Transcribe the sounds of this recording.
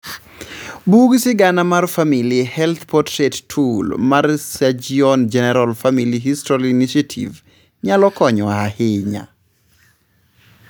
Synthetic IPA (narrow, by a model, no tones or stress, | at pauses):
buɡsɪɡanamarfamiljehɛlt̪pɔtʰɾettʰulmarsad͡ʒiɔnd͡ʒɛnɛɾalfamiliɦistɔliniʃatʰḭv | ɲalɔkɔɲɔahɪɲa̰